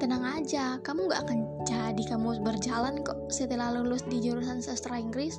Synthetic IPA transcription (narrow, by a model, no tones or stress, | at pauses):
t̪ənaŋad͡ʒakamuŋɡaʔakan | d͡ʒadikamusbərd͡ʒalankɔʔset̪ilalulʊsdid͡ʒuɾusansəst̪ɾaiŋɡɾɪs